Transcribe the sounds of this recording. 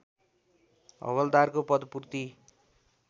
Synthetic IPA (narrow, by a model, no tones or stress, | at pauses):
ʌ̰wʌld̪arkopʌd̪purt̪i